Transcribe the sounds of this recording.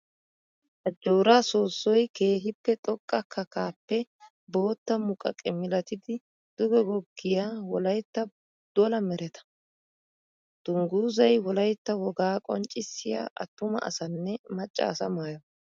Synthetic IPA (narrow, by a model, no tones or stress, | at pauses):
ʔɐd͡ʒːoːɾaːsoːsːɔjke̞ːɦɪpːɛt̪ʼɔkʼːɐkʰːɐkaːpːɛ | bo̞ːt̪ːɐmʊkʼɐ̰kʼɛmɪlɐt̪ɪd̪ɪ | d̪̥ʊɡɛɡɔɡːɪjaːwɔlɐjt̪ːɐ | d̪̥ɔlɐmɛɾɛt̪ɐ̥ | d̪̥ʊŋɡuːzɐjwɔlɐjt̪ːɐwɔɡaːkʼɔ̰nt͡ʃʼːɪsːɪja̰ːʔɐ̰t̪ːʊmɐ̰ʔɐ̰sɐnːɛmɐt͡ʃʼːa̰ːsɐmaːjɐ